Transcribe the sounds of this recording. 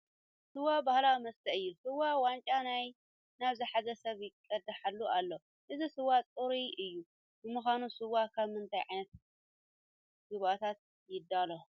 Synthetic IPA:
sɨwːabahlawimɐst̪ʰɐʔɨjːusɨwawant͡ʃʼanaj | naβzɨħazɐsɐβjɪkʼɐd̪ɐħalːuʔalːo | ʔɨzisɨwːat͡sʼɨɾiɨjːu | bɨmɨxanusɨwakʰaβmɨnt̪ʰajʕajnɐt̪̚ | ɡɨβat̪ʰat̪̚ | jɪd̪ːalo

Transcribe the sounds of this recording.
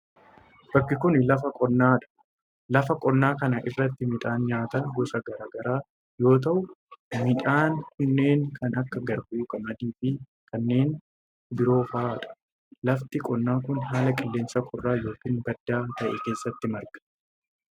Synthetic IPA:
b̥ɐkːɪkʊnlɐfɐkʼɔnːaːᶑɐ̥ | lɐfɐkʼɔnːaːkɐnɐʔɪrːɐt̪ːɪmɪᶑ̪ʼaːnɲaːt̪ɐɡɔsɐɡɐɾaːɡɐɾaː | jo̞ːt̪̬ɐʔʊmɪᶑaːnkʊnːe̞ːŋkʰɐnɐkːɐɡɐɾbʊʔuːkʼɐmɐd̪iːfɪ | kɐnːe̞ːn | bɪɾo̞ːfaaːᶑɐ̥ | lɐft̪ɪkʼɔnːaːkʊnɦaːlɐkʼɪlːe̞ːnsɐkʰʊrːaːjo̞ːkiːnbɐd̪ːaːt̪ɐʔɛ̰ke̞ːsːɐt̪ːɪmɐɾɡɐ̥

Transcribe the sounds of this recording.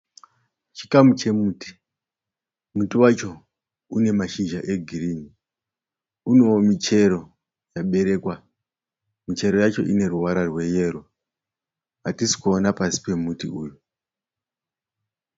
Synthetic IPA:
t͡ʃi̥kamut͡ʃe̞muːti̥ | mutiwat͡ʃo̞ | une̞maʃiʒaʔe̞ɡʱiɾini | uno̞omit͡ʃe̞ɾo̞ | jaɓe̞ɾe̞ːkwa | mit͡ʃe̞ɾo̞jat͡ʃo̞̰ʔine̞ɾuwaɾarwe̞je̞ɾo | atisi̥kuonapasi̥pe̞mutḭuːju

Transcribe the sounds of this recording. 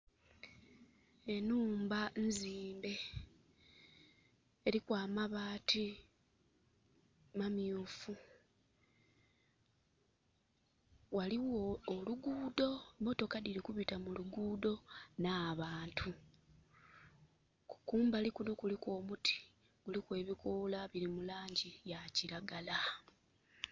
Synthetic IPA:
e̞nuːmbanziːmbe̞ | ɾikwaːmaβaːtʰi | mamjufu | waliwoːluɡuːdo̞mo̞to̞kadiɾikuβitamuluɡuːdo̞naːβaːntʰu | ku̥kuːmbalikunukulikwo̞ːmutʰi̥ | ɡ̥ulikwe̞ːβikolaβiɾimulaːɲɟijaciɾaɡala

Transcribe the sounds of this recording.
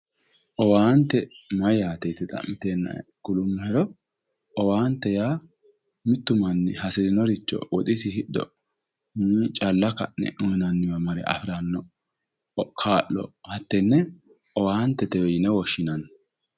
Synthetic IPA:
ʔɔwaːnt̪ːɛmɐjaːt̪ɛt̪ɛt̪ʼɐ̰mɪt̪eːnːɐ̰ɡ̥ʊlʊmːʊhɛɾɔ | ɔwaːnt̪ːɛjaː | mɪt̪ːʊmɐnːɪhɐsɪdɪnɔɾɪt͡ʃːɔ̰wɔt̪ʼɪsɪhɪɗɔ̰ | nit͡ʃʼɐlːɐkɐ̰nːɛ̰ʔʊnɐnːɪwɐmɐɾɛ̰ʔɐ̰fɪɾɐnːɔ | ɔkʰːaːʔːɔ̰hɐt̪ːɛnːɛ | ʔɔwaːnt̪ːɛt̪ɛwɛjɪnɛwɔʃːɪnɐn

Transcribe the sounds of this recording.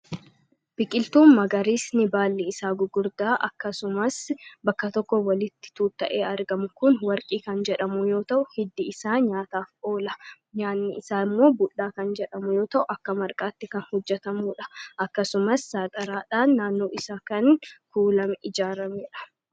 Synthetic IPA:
b̥ɪkʼɪlt̪uːmmɐɡɐɾiːsnɪbaːlːɛɪsaːɡʊɡʊɾd̪aːʔɐkːɐsʊmɐsbɐkːɐt̪ɔkːɔwɐlɪt̪ːɪ̥t̪uːt̪ːɐʔe̞ːɐɾɡɐmʊkʊnwɐɾkʼiːkɐnd͡ʒɛᶑɐmʊjo̞ːt̪ɐʔʊhɪd̪ːɪɪsaːɲaːt̪aːfo̞ːlɐ | ɲaːnːɪɪsaːɪmːo̞ːbʊɗːaːkɐnd͡ʒɛᶑɐmʊjo̞ːt̪ɐʔʊɐkːɐmɐɾkʼaːt̪ːɪkɐnhɔd͡ʒːɛt̪ɐmuːᶑɐ̥ʔɐkːɐsʊmɐsːaːt̪ʼɐɾaːᶑaːnːaːnːo̞ːʔɪsaːkɐnkuːlɐmɪd͡ʒaːɾɐmeːᶑɐ̥

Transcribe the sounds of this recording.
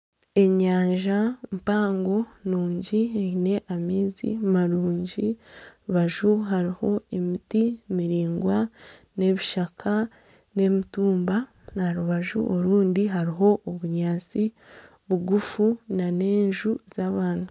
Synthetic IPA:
e̞ɲaːɲʒampaːŋɡo̞nuːɲɟieine̞ʔamiːzḭmaɾuːɲɟiβaʒuɦaɾiho̞emitimiɾiːŋɡwane̞βiʃakʰa | ne̞mituːmba | naɾuβaʒṵʔoɾuːndiɦaɾiɦo̞ʔoβuɲaːt͡si | βuɡufunane̞ːɲʒuz̥aβaːn̥u

